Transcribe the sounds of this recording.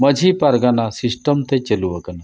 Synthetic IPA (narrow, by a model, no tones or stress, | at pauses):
məd͡ʒʱipaɾɡanasisʈəmt̪ɛt͡ʃəluwakana